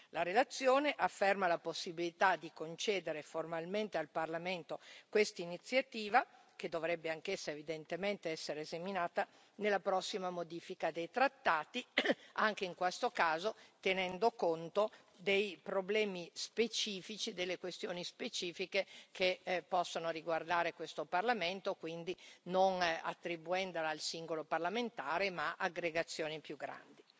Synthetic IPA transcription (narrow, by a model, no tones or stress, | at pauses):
laɾelat̪sːjoːneʔafːermalaposːibilit̪ad̪ikont͡ʃeːd̪eɾeformalment̪ealparlament̪okwest̪ainit̪sːjat̪iːva | ked̪ovɾɛbːeaŋkesːaevid̪ent̪ement̪eɛsːeɾeːzaminaːt̪a | nelːapɾɔsːimamod̪iːfikad̪ejt̪ɾat̪ːaːt̪iaŋk̟eiŋkwest̪okaːzot̪enɛnd̪okont̪o | d̪ejpɾoblɛːmispet͡ʃiːfit͡ʃid̪elːekwest̪joːnispet͡ʃiːfikekʰepːɔsːonoɾiɡward̪aːɾekwest̪oparlament̪okwind̪inona̰t̪ːɾibuɛnd̪olaːlsiŋɡoloparlament̪aːɾemaʔaɡɾeɡat̪sːjoːnipjuɡːɾa̰nd̪i